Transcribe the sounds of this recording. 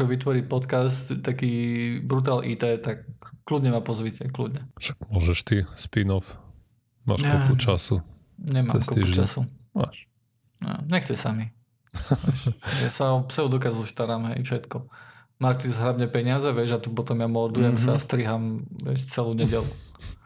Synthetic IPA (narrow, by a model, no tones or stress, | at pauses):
kɔʋit̪ʋɔɾiːpɔt̪kast̪t̪ːakiːbɾut̪̬aːlʔiːt̪ɛːt̪akːlud̪ɲɛmapɔzʋicɛklṵd̪ɲɛʃakmʊɔʒɛʃt̪ispinɔf | ma̰ːʃkɔput͡ʃasu | ɲɛma̰ːɛmskɔupt͡ʃa̰suma̰ʃ | ɛ̰ɲɛxt͡sɛsami | ʋɛʃjasaɔpsɛɔd̪ɔkazust̪aɾaːmɦɛ̰jfʃɛt̪kɔ | maːʃt̪izɦɾadɲɛpɛɲɪazɛʋɪɛʒat̪upɔt̪ɔmjamɔɾd̪ujɛmsast̪ɾiɦamʋɪɛʃt͡sɛluːɲɛɟɛlu